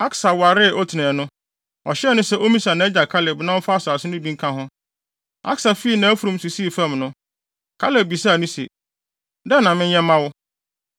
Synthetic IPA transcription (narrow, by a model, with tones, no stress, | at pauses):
a˦ksa˨wa˨ɾɪ˦˨ʔɔ˦tʰi˨nɛ̃˨nʊ̃˦ | ɔ˨ɕɛ˦˨nʊ̃˦sɛ˦ʔo˦mĩ˦sa˨nã˨˦ɛ˦d͡ʑa˨kʰa˦le˨bnã˦wʊ˦fa˦sa˨sɪ˦nʊ̃˦bĩ˦ŋ˦kʰã˦ɦʊ̃˦ | a̰˦ksa˨fi˦˨nã˨˦æ˦fu˨ɾũ˦m˦su˨si˦˨fã˦˨mnʊ̃˦ | kʰa˦le˦˨bi˨sa˦˨nʊ̃˦sɛ̰˨ | dɛ˦nã˨mɪ̃˦ɲ˦jɛ̃˦mã˦wʊ˦